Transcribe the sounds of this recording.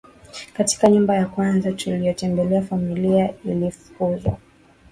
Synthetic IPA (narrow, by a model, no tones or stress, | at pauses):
kati̥kaɲumbajakwanzatulijɔtɛmbɛlɛafamiliailifu̥kuzwa̰